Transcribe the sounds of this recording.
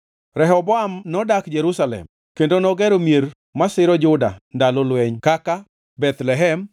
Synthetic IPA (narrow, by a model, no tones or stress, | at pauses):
ɾɛɦɔbɔamnɔdakd͡ʒɛɾusalɛ̰m | kendonɔɡɛɾomjeɾ | masɪɾɔd͡ʒʊda̰ndalɔlwɛɲkaka | bɛt̪lɛɦɛm